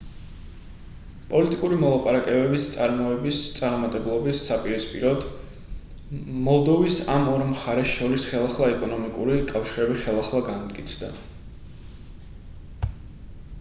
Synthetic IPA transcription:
pʼɔlit̪ʼikʼuɾimɔlˠapʼaɾakʼɛbɛbist̪sʼaɾmɔɛbist̪sʼaɾɔmat̪ʼɛblˠɔbisːapʼiɾispʼḭɾɔd̪ | mɔlˠd̪ɔvisamɔɾmχaɾɛsʃɔɾisχɛlˠaχlˠaɛkʼɔnɔmikʼuɾikʼafʃiɾɛbiχɛlˠaχlˠaɡant̪ʼkʼit̪sʰd̪a̰

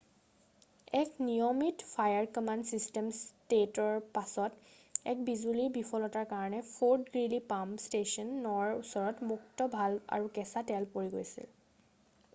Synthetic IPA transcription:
ɛknijɔmitpʰajaɹkɔmansistɛmstetɔɹpasɔt | ɛ̰k̚bizuliɹbipʰɔlɔtaɹkaɹɔnɛpʰoɹtɡɹilipamstesɔnːɔwaɹusɔɹɔtmuktɔbʱala̰ɹukɛsatɛlpoɹiɡojsḭl

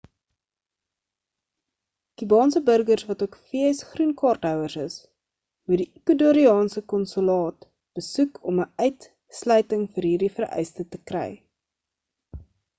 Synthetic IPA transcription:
kybɑːnsəbərɡərsvɐtuəkfiəsχrunkɑːrtɦœwərsəs | mudikəduɾiɑːnsəkɔnsylɑːt | b̥əsukʰɔməœɥt | slœɥtəŋfəɾɦiːrdifərœ̰jstətəkrɛ̰j

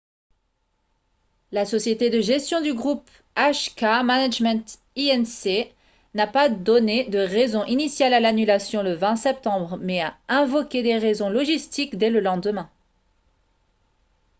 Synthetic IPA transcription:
lasɔsjet̪ed̪əʒɛst̪jɔ̃d̪yɡʁup | aʃkamanaʒmɛ̃t̪ | iɛnse | napad̪ɔned̪əʁɛzɔ̃ʔinisjalalanylasjɔ̃ləvɛ̃sɛp̚t̪ɑ̃bʁmɛaɛ̃vɔkʲed̪eʁɛzɔ̃lɔʒist̪ikd̪ɛləlɑ̃d̪əmɛ̃

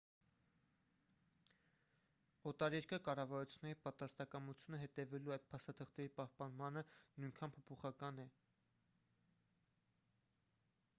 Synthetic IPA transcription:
ɔt̪ɑɾɛɾkəkɑrɑvɑɾut͡sʰjunɛɾipɑt̪ɾɑst̪ɑkɑmut͡sʰjunəɦɛt̪ɛvɛluɑjt̪̚pʰɑst̪ɑt̪ʰəχt̪ɛɾipɑhpɑnmɑnənujŋkʰɑnpʰɔpʰɔχɑkɑnɛ

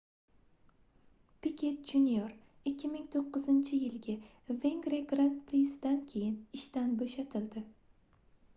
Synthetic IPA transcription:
pɪkʲʰe̞t̪̚d͡ʒunjoɾ | ɪkʲːɪmɪŋt̪ʰoqʰːɨzɪnt͡ʃʰɪjɪlɡʲa | ve̞ŋɡɾeɡɾant̪pʰɾisd̪ankʲʰe̞jɪnɪʃt̪anboʃat̪ʰɪld̪ɪ

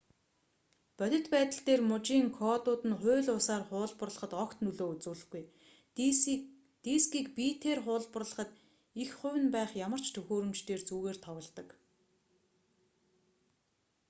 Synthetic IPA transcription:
pœt̪ʲɪ̥̆t̪pæːt̪ə̆ɬt̪eːrmʊt͡ɕiːŋkʰɔːt̪ʊːt̪ɘ̆nχʊːɮʊːsaːrχʊːɮpə̆rɮə̥̆χə̆t̪ɔkt̪nɵɮoːut͡sŭːɮɘ̆xɡuj | t̪iːskiːkpiːt̪ʰeːrχʊːɮpə̆rɮə̆χə̆t̪ | ixχʊ̟wɘ̆npæːχjamə̆r̥t͡ɕʰt̪ʰɵxoːɾɵ̆mt͡ɕt̪eːrt͡suːɣeːrt̪ʰɔwə̆ɮt̪ə̆k

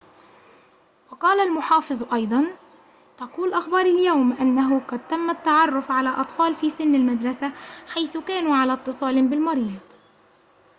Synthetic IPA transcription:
wɑqɑːlalmʊħɑːfɨzˤʔɑjd̪ˤɑn | t̪ɑquːlʔaxbɑːɾˤaljawmʔanːaɦʊqɑd̪̚t̪amːat̪ːaʕɑrˤːʊfʕalaʔɑt̪ˤfɑːlfiːsɪnːɪlmad̪ɾˤɑsaħajθʊkaːnuːʕalat̪ːɨsˤɑːlɪnbɪlmɑɾiːd̪ˤ

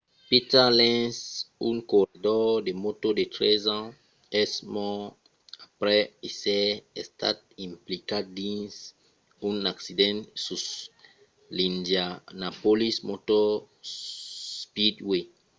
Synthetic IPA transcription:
pitalɛ̃nsũnkoɾidɔdemotodetɾɛzã | ɛsmɔ | apɾɛisɛɛsta̰t̚ĩmplikadĩns | ũnaksidɛ̃ntsus | lĩndjanapolismotɔ | spidwe

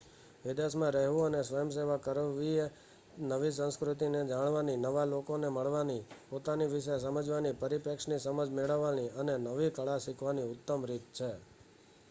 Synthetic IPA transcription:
ʋɪd̪esmãɾəɦʋũənesʋəjəms̬eʋakəɾʋie | nəʋis̬ə̃skɾut̪ined͡ʒaɽ̃ʋaninəʋalokoneməɭʋanipot̪aniʋɪʃəs̬əməd͡ʒʋanipəɾipɛkʃnisəməd͡ʒmeɭəʋːaniənenəʋikəɭasikʰʋaniʊt̪ːəmɾit̪̚t͡ʃʰe

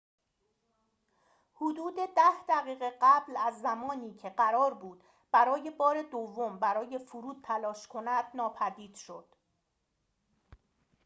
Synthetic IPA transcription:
hod̪uːd̪e̞d̪æhd̪æʁɣiːɣe̞ɢæblæzːæmɒːniːcʰe̞ɢæɾɒːɾbuːd̪ | b̥æɾɒːje̞bɒːɾe̞d̪ovːo̞mbæɾɒːje̞fuɾuːd̪̚t̪ʰælɒːʃkʰo̞næd̪̥nɒːpʰæd̪iːd̪̥ʃo̞d̪̥

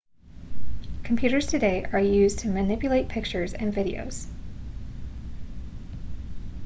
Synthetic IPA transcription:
kʰm̩pʰj̥ʉɾə˞z̥tʰɨdeɪʔə˞jʉztʰɨmɨnɪpjɨleɪt̚pʰɪk̚t͡ʃə˞zɨ̰̃nvɪɾḭo̰ʊz̥

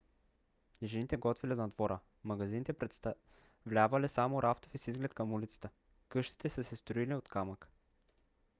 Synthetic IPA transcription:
jɛʒɛnit̪ɛɡɔt̪viliod̪nɐd̪vɔɾə | mɐɡɐzinit̪ɛpɾɛt̪st̪ | vlʲavɐlɛsamoɾʔaft̪ofisizɡlɛt̪kəmulit̪sə̥t̪ə | kɤʃt̪i̥t̪ɛsəsɛst̪ɾoiliot̪kamək

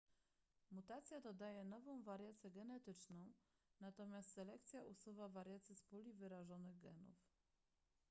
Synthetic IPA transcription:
mut̪at̪sʲjad̪ɔd̪ajɛnɔvɔ̃w̃vaɾʲjat̪sʲɛɡɛnɛt̪ɘt͡ʂnɔ̃w̃nat̪ɔmʲjast̪sɛlɛk̚t̪sʲjaʔusuvavaɾjat̪sʲispulʲivɘɾaʐɔnɘɣɡɛ̰nṵf

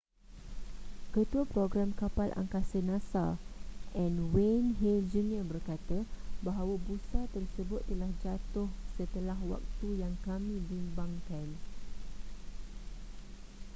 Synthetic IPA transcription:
kət̪uapɾoɡɾamkapalʔa̰ŋkasənãsaʔɛ̃nwenɦɛld͡ʒuniəbərkat̪abaɦawabusat̪ərsəbʊt̪ːəlahd͡ʒat̪ʊhsət̪əlaɦwa̰k̚t̪ujaŋkamĩbimbaŋkan

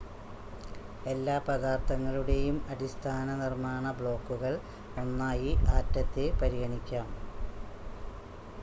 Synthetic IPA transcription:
e̞lːaːpɐd̪aːrt̪ʰɐŋːɐɭuɽe̞jumɐɽist̪ʰaːnɐnirmaːɳɐbɭo̞ːkːuɣɐɭ | o̞nːaːjiʔaːtːɐt̪ːepɐɾiɣɐɳikʲːaːm

